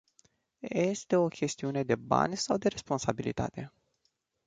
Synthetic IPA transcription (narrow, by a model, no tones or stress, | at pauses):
je̞st̪e̞o̞kʲe̞st̪iune̞d̪e̞ba̰nʲsawd̪e̞ɾe̞spo̞nsabilḭt̪a̰t̪e̞